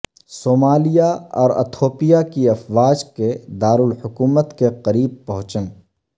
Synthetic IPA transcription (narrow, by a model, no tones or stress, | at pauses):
soːmaːlijaɔːɾɐ̰t̪ʰoːpijakiɐfʋaːd͡ʒked̪aːɾʊlhʊkuːmət̪keqɐɾiːb̚pɐɦʊ̃t͡ʃən